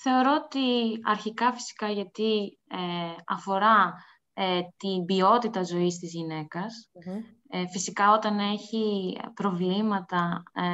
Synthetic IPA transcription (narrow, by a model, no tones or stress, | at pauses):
θe̞o̞ɾo̞ot̪iɐɾçikɐfi̥si̥kɐʝɐt̪i | eɐ̰fo̞ɾɐ | et̪imbio̞t̪it̪ɐzo̞ist̪izʝine̞kɐs | fisikɐo̞t̪ɐne̞çipɾo̞vlimɐt̪ɐ